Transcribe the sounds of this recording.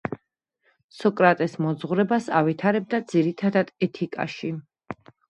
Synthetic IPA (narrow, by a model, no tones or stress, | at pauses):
sɔkʼɾat̪ʼɛsmɔd̪zʁɾɛbasa̰vit̪ʰaɾɛb̚d̪ad̪z̥iɾit̪ʰad̪ad̪̥ɛt̪ʰikʼa̰ʃi